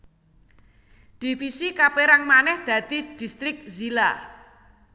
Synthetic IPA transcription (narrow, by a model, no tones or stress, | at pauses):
d̪̥ifisikapeɾaŋmanɛhd̪̥ä̤d̪̥i̤d̪̥i̤st̪ɾɪk̚zila